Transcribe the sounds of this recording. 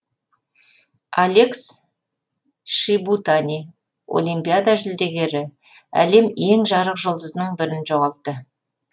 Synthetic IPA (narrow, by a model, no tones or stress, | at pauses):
alʲe̞ks | ʃibut̪anʲi | o̞̰lˠijmpijad̪aʒʏld̪e̞ɡʲe̞ɾɪ | æ̰le̞me̞ŋʒɑɾəqʒolˠd̪əznəɴbɪɾɪnʒo̞ʁɑlˠt̪ːə